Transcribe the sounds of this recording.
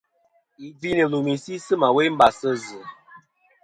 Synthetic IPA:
i˨bi˦nə˨lu˨mi˨si˦sɨ˦ma˨we˦m̩˦ba˨sə˦zɨ˨

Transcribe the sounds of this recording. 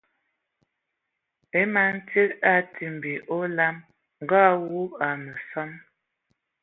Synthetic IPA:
e˦ma˨n̩˦te˦ta˦tʰi˨m˨bi˨ʔo˦la˦m | ŋ˨ɡa˦wu˦a˨nə˨sɔ˦n

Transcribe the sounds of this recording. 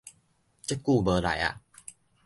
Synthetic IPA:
t͡ɕə˦˥kːu˥˧˨bə˧la̰˨˦ja̰˧˩

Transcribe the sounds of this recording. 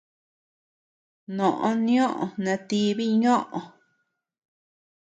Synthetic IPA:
nõ˨ʔõ˦nĩ˦õ˦ʔõ̰˨˧nã˧t̪i˦βi˦ɲõ˦ʔõ˧

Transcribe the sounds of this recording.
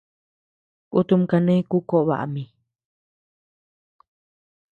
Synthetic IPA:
kʼu˦t̪u˧mka˨nẽ˦ĩ˦ku˦ko˦ʔβa̰˨ʔa̰˨mĩ˨

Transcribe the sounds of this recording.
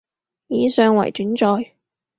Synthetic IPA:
jiː˨˧sœː˨˧ŋwɐ̰˨˩jt͡ʃyː˨˥nt͡ʃɔː˧j

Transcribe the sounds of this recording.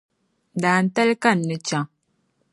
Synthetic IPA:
n˨da˨n̩˦ta˦lka˦˨nːɨ˨t͡ʃa˨ŋ

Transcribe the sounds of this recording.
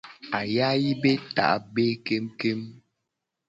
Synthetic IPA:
a˨ja˦ji˦be˦ta̰˨ʔbe˦ke˦mke˦m

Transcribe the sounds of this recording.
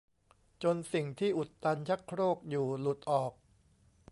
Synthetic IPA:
t͡ɕo˧nsi˨˩ŋt̪ʰiː˥˩ʔu˨˩t̪ːa˧nt͡ɕʰa˦˥kʰɾoː˥˩k̚juː˨˩lu˨˩t̪̚ʔɔː˨˩k̚

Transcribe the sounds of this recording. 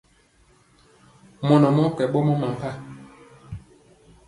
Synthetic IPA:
mɔ˨nɔ˨mɔ˦kɛ˨ɓɔ˦mɔ˦ma˨m˨pa˦˨

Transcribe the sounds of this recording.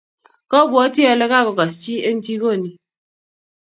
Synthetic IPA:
kɔ˦bwɔ˨˦ti˦a˨le˦ka˦˨kɔ˨ka˨st͡ʃi˦e˦n̩˦ti˦ko˦˨ni˦

